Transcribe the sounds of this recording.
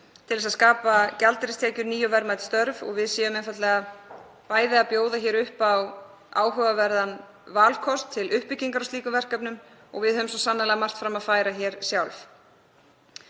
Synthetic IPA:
t̪ʰɪlðɛsaðskaːpacalt̪ɾɪst̪ʰɛːcʏɾniːjʏvɛɾmajt̪st̪œɾvɔ̰ɣvɪðsɛːjʏmɛjnfat̪lɛɣa | paːjðɪapjoːwðaçɛːɾʏhpaw | a̰ːwɦœvavɛɾðan | vaːlkʰɔst̪ʰːɪlʔʏhpɪcːiŋkaɾawst̪iːkʏvɛr̥kœpnʏm | ɔ̰ɣvɪðhœmsɔsanːalaɣamar̥t̪fɾamaðfaːjɾaçɛɾ̥sjawlf

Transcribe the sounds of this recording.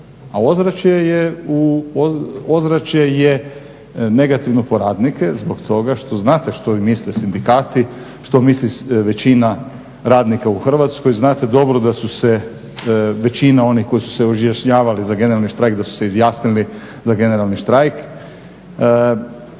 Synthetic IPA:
ao̞zɾat͡ʃjejeuoozɾat͡ʃje̞je | ne̞ɡat̪iʋnopo̞ɾaːd̪nike̞zbo̞kt̪ʰo̞ɡaʃt̪o̞znaːt̪e̞ʃt̪o̞ʋimislesind̪ikaːt̪i | ʃt̪o̞misliʋe̞t͡ɕina | ɾaːd̪nikauxr̩ʋat̪skojznaːt̪e̞d̪o̞bɾod̪asuse | ʋe̞t͡ɕinao̞nihko̞jisu̥se̞oʒjaʃɲaːʋalizaɡe̞neɾalniʃt̪ɾajkd̪asu̥seizjaːsnili | zaɡe̞ne̞ɾalniʃt̪ɾajk

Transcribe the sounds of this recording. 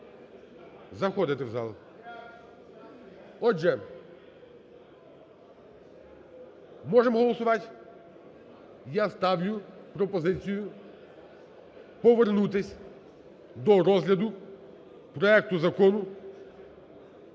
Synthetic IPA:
zɐxɔd̪ɪt̪ɪwzɑlˠ | ɔd͡ʒɛ | mɔʒɛmɦɔlˠɔsʊʋɑt̪ʲ | jast̪ɑwjʊpɾɔpɔzɪt͡sʲijʊ | pɔʋernut̪̬ɪsʲ | d̪ɔɾɔzɦlʲɐd̪ʊ | pɾɔɛk̚t̪ʊzɐkɔnʊ

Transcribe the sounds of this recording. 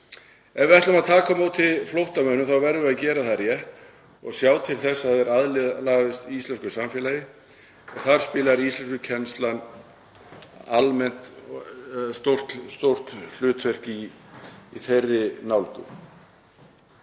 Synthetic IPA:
ɛvɪɛht̪amaðt̪ʰaːkamoːwt̪ʰɪlflowht̪amœnːʏmθawvɛɾðvʏacɛːɾaθarjɛht̪ | ɔɣsjaːwt̪ʰɪlθɛsːaðɛɾaðlɪlaɣðɪst̪iist̪ɛnskʏ̥samfjɛːlajɪ | ɔɣθaɾ̥spɪːlaɾiist̪lɛnskʏcʰɛnst̪lan | almɛn̥t̪ | st̪owr̥t̪st̪owr̥t̪l̥ʏːt̪fɛr̥ciː | θejrːɪnawlkʏ̰

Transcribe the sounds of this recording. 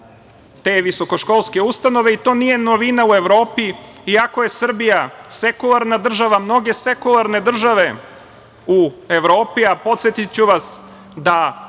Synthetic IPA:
t̪e̞ːʋiso̞ko̞ʃko̞lˠske̞ust̪ano̞ʋeit̪o̞ːnije̞noʋinaue̞ʋɾo̞ːpiiako̞je̞sr̩bijase̞kulˠaɾnad̪r̩ʒaʋamno̞ɡe̞sekulˠaɾne̞d̪r̩ʒaʋe̞ | ueʋɾo̞ːpiapo̞t̪set̪it͡ɕuʋas | d̪a

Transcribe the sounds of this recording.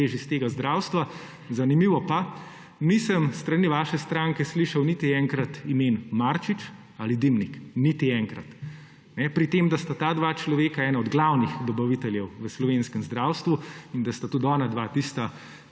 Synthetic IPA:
eʒist̪eːɡazd̪ɾawst̪ʋa | zanimiʋɔpa | nisəmst̪ɾaniʋaːʃɛst̪ɾaŋkɛsliʃɐwnit̪iɛŋkɾat̪imenmaɾt͡ʃit͡ʃ | alid̪imniknit̪iɛːŋkɾa̰t̪ | nɛpɾit̪emd̪ast̪at̪aːd̪ʋat͡ʃlɔʋeːkaɛːnaɔd̪ɡlawnixd̪ɔbɐʋit̪ɛljɛwʋəslɔʋenskəmzd̪ɾawst̪ʋuind̪ast̪at̪ud̪ɔːnad̪ʋat̪ist̪a

